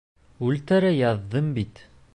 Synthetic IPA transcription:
ʉlt̪æɾæjɑðːɤmbit̪

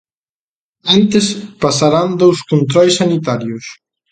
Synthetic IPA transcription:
ant̪espasaɾand̪owskont̪ɾɔjsːanit̪aɾjʊs

